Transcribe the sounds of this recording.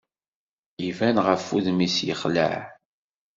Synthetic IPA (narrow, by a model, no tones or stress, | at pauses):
ivænʁəfuðmisjə̰χlə̰ʕ